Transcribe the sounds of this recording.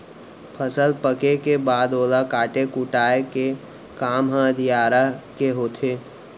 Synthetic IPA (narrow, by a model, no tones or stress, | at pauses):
pʰəsəlpəkekebaːd̪oːlakaːʈekuʈaːeke | kaːmɦə̃əd̪ʱijaːɾakeɦoːt̪ʰeː